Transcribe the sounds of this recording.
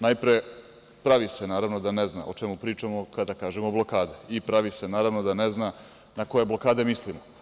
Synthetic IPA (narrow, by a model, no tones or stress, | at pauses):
najpɾe | pɾaʋisenaːɾaʋno̞d̪anezna̰ʔot͡ʃe̞mupɾiːt͡ʃamo̞kad̪akaːʒemoblo̞kaːd̪eipɾaʋise̞naːɾaʋno̞d̪ane̞zna | nako̞jeblo̞kaːd̪e̞mislimo